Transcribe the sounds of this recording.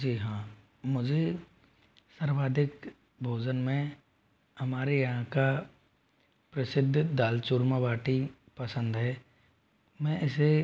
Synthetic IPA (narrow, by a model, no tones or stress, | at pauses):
d͡ʒiːɦã | mʊd͡ʒʱe | sɐɾʋaːd̪ʱɪk | bʱoːd͡ʒənmẽ | ɦɐmaːɾejɐɦãka | pɾɐsɪd̪ʱːd̪aːlt͡ʃʊɾmabaːʈi | pɐsə̃nd̪ɦɛː | mɛ̃ʔɪse